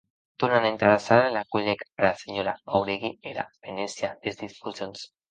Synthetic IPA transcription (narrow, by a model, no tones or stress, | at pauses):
t̪unanent̪aɾasaɾalakulekaɾaseɲoɾaawɾeɣieɾa̰benesiadezd̪isfusons